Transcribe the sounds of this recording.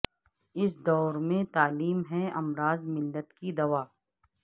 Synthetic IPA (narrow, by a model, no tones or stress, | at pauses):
ɪs̬d̪ɔːɾmẽt̪aːliːmɦɛɐmɾaːzmɪlːət̪kid̪ɐʋaː